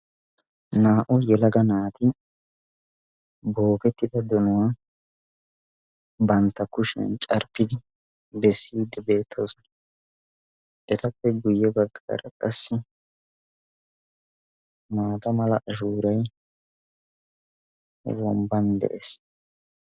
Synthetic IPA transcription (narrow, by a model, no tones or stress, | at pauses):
naːʔʊjɛlɐɡɐnaːt̪ɪ | boːkɛt̪ːɪd̪ɐd̪ɔnʊwa | bɐnt̪ːɐkʊʃɛ̰nt͡ʃʼɐɾpːɪd̪ɪ | bɛsːiːd̪ɛbe̞ːt̪ʰːoːsɔnɐ | ʔɛt̪ɐpːɛɡʊjːɛbɐɡːa̰ːɾɐkʼɐsːɪ | maːt̪ɐmɐlɐʔɐʃuːɾɐj | wɔmbɐnd̪ɛ̰ʔɛs